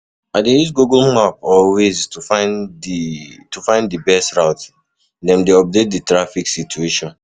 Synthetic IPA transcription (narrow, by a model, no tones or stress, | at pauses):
adejus̬ɡuɡlmapɔlweztufan | tufãɪ̃ndibɛstɹaʊt | dɛ̃mdeɔp̚det̚ditɾafiksitueʃɔ̃n